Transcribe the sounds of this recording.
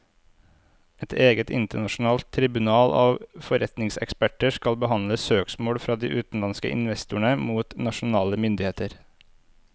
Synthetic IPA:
ʔɛt̪ʰeːɡət̪ɪ̰nt̪əɳɑʃn̩ɑːlt̪ʰɾɪbʉnɑːlɑːʋfɔɾɛt̪nɪŋsɛ̰kspæʈəskɑlbəhɑnləsøːksmoːɽfɾɑːd̪ḭːʔʉːt̪n̩lɑnskə̰ʔɪ̰nʋɛst̪ʊɳəmuːt̪nɑʃʊnɑːləmʏnd̪ɪheːt̪əɾ

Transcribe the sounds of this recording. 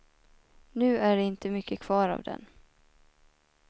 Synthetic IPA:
nʉ̟ːæɖɛɪnt̪əmʏkːəkʰv̥ɑːɾɑ̰vd̪ɛ̰n

